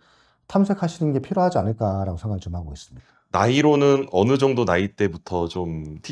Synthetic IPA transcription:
tʰamsʰe̞kʰaɕʰinɯnɡe̞pʰiɾoɦad͡ʑianɯɭk͈aɾaɡosʰeŋɡaɡit͡ɕomhaɡois͈ɯmɲida | naiɾonɯnʌnɯd͡ʑʌŋdonait͈e̞butʰʌt͡ɕomtʰi

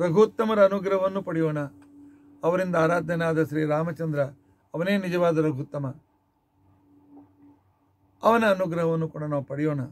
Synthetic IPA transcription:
ɾɐɡʱuːt̪ːɐmɐɾɐːnuɡɾɐɦɐʋɐnːupɐɽijoːɳɐ | ɐʋɐɾind̪ɐaːɾaːd̪ʱɐnaːd̪ɐʃɾiːɾaːmɐt͡ʃɐnd̪ɾɐ | ɐʋɐneːnid͡ʒɐʋaːd̪ɐɾɐɡʱuːt̪ːɐmɐ | ɐʋɐnɐːnuɡɾɐɦɐʋɐnːukuːɽɐnoːpɐɽijoːɳɐ

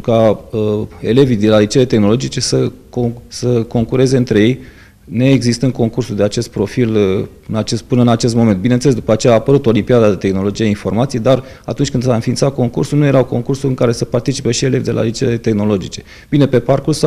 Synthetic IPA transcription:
nt̪uka | e̞le̞vijd̪elalit͡ʃele̞t̪e̞xno̞lo̞d͡ʒit͡ʃe̞səkosəko̞ŋkuɾe̞ze̞ɨnt̪ɾe̞je̞j | ne̞ːɡzist̪ɨn̚ko̞ŋkursuld̪e̞at͡ʃe̞st̪̚pɾo̞fil | ɨnat͡ʃe̞st̪̚pɨnəɨnat͡ʃe̞st̪moment̪bineneled̪upəat͡ʃejaːpəɾut̪olimpijad̪ad̪e̞t̪e̞xno̞lo̞d͡ʒieinfo̞rmat̪sijd̪ar | at̪unt͡ʃkɨnd̪saɨnfint̪sako̞ŋkursulnuje̞ɾawko̞ŋkursulɨŋkaɾe̞səpart̪it͡ʃipe̞ʃie̞le̞vʲd̪e̞la̰lit͡ʃḛlet̪e̞xno̞lo̞d͡ʒit͡ʃe̞̥ | bine̞pe̞parkurs

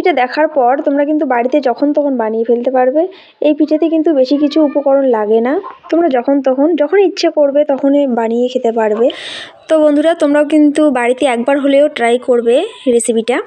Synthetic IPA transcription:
iʈad̪ɛkʰaɾpɔɾt̪omɾakint̪̬ubaɾit̪ed͡ʑɔkʰont̪ɔkʰonbanijefelt̪epaɾbe | ejpiʈʰat̪ekint̪ubeʃikit͡ɕʰuupokɔɾonlaɡenat̪omɾad͡ʑɔkʰont̪ɔkʰond͡ʑɔkʰonitːɕʰekoɾbet̪ɔkʰonebanijekʰet̪epaɾbet̪obond̪ʱuɾat̪omɾaok̬int̪ubaɾit̪eɛk̚baɾɦoleoʈɾajkoɾbeɾesibiʈa

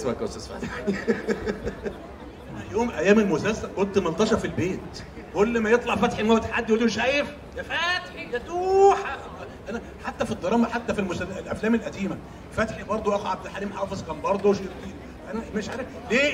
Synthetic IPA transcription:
smækst̪ːæsfæ̰t̪ | ʔænæjoːmʔæjːæːmelmosælsækont̪mɑnt̪ɑːʃɑɾˤfilbeːt̪ | kolːmæjet̪ˤlɑʕfæt̪ħimnæwæt̪ħad̪ːjʔolːieʃæːjef | jæfæt̪ħiæt̪uːħ | ʔænæ | ħat̪ːæfid̪ˤːɑɾˤɑːmæħat̪ːæfilmosæelʔæflæːmelʔæd̪iːmæ | fæt̪ħibɑɾˤd̪ˤoʔæxuʕab̚d̪elħaliːmħawfezˤkæmbɑɾˤd̪ˤoʃeɾt̪iː | ʔænæmeʃʕaːɾef | leː

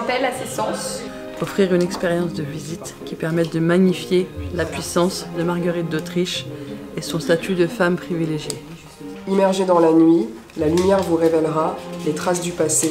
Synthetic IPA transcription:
pɛlasesɑ̃s | ɔfχiʁynɛkspeʁjɑ̃sd̪əvizit̪ | kʲipɛʁmɛt̪̚d̪əmaɲifjelapɥisɑ̃sd̪əmaʁɡəʁit̪̚d̪ot̪χiʃ | esɔ̃st̪at̪yd̪əfampχivileʒje | imɛʁʒed̪ɑ̃lanɥi | lalymjɛʁvuʁevɛlʁalet̪χasd̪ypase

